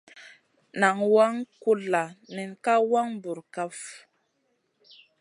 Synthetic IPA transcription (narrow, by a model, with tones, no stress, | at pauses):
na˨ŋwa˦ŋku˦la˨nɛ˨nka˦wa˦ŋbu˨ɾka˦f